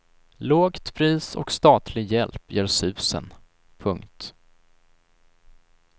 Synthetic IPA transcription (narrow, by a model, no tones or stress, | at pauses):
loːɡt̪pʰɾiːsɔ̰kst̪ɑːt̪ʰlɪɡjɛlpjœːɾsʉ̟ːsə̰n | pʰɵŋkt̪